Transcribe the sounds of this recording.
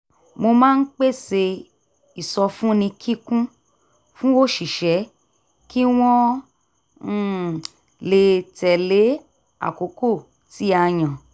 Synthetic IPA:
mo˧mãː˦˧n̩˦k͡pe˦˨se˧ | i˨sɔ˧fũ˦nĩ˧kʰi˦kũ˦ | fũ˦wo˦˨ʃi˨ʃɛ˨˦ | ki˦w̃ɔ̃˦˨ | le˨tɛ˨le˨˦ | a̰˦˨ko˨˦ko˦˨ | ti˨˦a˧j̃ã˨

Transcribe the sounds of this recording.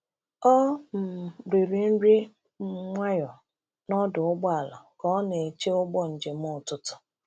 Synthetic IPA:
ɔ˦m̩˨ɾi˨ɾi˨n̩˦ɾi˦ | m̩˦ŋʷa˦jɔ˨ | nɔ˦dʊ˨ʊ˦ɡ͡bɔ˦a˨la̰˨kɔ˦ne˨t͡ʃe˦ʊ˦ɡ͡bɔ˦n̩˨d͡ʒe˨m̩˦ʊ˦˨tʊ˨tʊ̥˨

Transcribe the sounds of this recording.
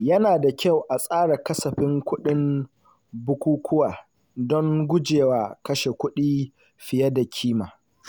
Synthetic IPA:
jɐ˦naː˨da˨kʲa˦˨wʔa˨sʼaː˦ɽa˨kɐ˦sɐ˨ɸɪ˦ŋkʷʊ˦ɗɪ˦m | bʊ˦kʷuː˦kʷʊ˦waː˨ | dɔ˦ŋɡʷʊ˦d͡ʒeː˨waː˨˦kɐ˦ʃe˨kʷʊ˦ɗiː˦ | ɸɪ˨jɐ˦da˨kʲʰiː˦maː˨

